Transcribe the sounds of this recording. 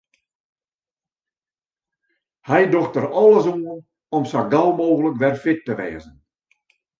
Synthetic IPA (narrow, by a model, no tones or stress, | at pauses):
hɛjdɔxtəɾɔlˠəs̬un | ɔmsaɡalˠmoːɣələkʋɛrfɪtːəʋɛ̰ːzən